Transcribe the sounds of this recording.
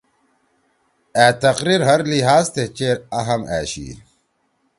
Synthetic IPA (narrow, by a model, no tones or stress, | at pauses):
æːt̪ɐqɾiɾɦɐɾliɦaːzt̪et͡ɕeːɾɐɦɐmæ̰ːɕḭ